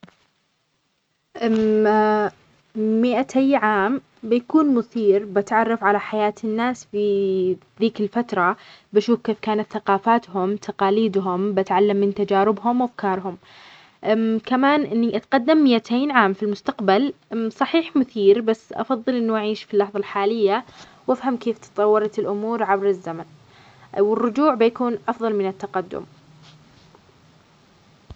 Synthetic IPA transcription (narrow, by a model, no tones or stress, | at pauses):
ʔ | mɪʔat̪ʰajʕaːm | bɪjakuːnmʊθiːɾbɪt̪ʕɑrˤːɑfʕalaħajaːt̪ʰɪnːaːsfiðiːkɪlfat̪ɾˤɑbaʃuːfkeːfkaːnat̪θaqɑːfaːt̪hʊmt̪ʰaqɑːliːd̪ɦʊmbat̪ʕalːamːɪnt̪ad͡ʒaːɾɪbɦʊmwafkɑːɾˤɦʊm | kamaːnʔɪnːiʔat̪qad̪ːamːɪjat̪ʰeːnʕaːmfilmʊst̪aqbalsˤɑħiːħmʊθiːɾbasːʔɑ̰fɑðˤːɨlʔɪnːuʔaʕiːʃfilːɑħðˤɑlħaːlɪjːa | wʔafhamkeːft̪ɨ̥t̪ˤɑwːɑɾˤɑt̪ɪlʔʊmuːɾʕabɾɪzːaman | wɪrːʊd͡ʒuːʕbɪjakuːnʔɑfðˤɑlmɪnɪt̪ːaqad̪ːʊ̰m